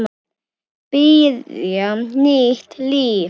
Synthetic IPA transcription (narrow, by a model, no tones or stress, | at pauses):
b̥iːðjɔniːt̪ʰliː